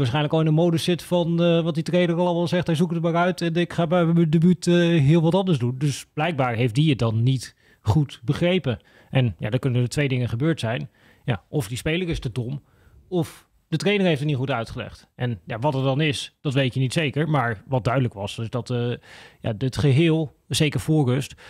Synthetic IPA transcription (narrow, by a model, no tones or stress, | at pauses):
ʋaːsχɛjnləkɔlˠɪnənmowdəsɪtfɑnʋɑt̚ditrejnəɹɑlˠɑlˠmalˠzɛχtɦɛjzukətəmaːɹœɥtɛnɪkχaːbɛəədebytːɦɪːlˠʋɑtɑndəɹzdundɵsb̥lɛjk̚baːɹɦejft̚diət̚dɑnːit | χutbəχrejpə | ʔɛnja̰dɔkɵnəətʋejdɪŋəχəbøːɹtsɛjn | ja̰ʔɔfdispejləɹɪstədɔm | ɔf | d̥ətrejnəɹejftətnitχutœɥtχəlɛ̰χt | ʔɛnja̰ʋɑtəɹdɑnɪsd̥ɑtʋejtjənitsejkəɹmaːɹʋɑt̚dœɥdələkʋɑsɪsdɑtja̰ətχəɦɪːlˠ | sejkəɹfʊːɹrɵst